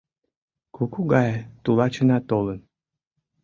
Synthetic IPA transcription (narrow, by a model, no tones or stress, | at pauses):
kukuɡɑjt̪ulɑt͡ɕə̆nɑt̪olən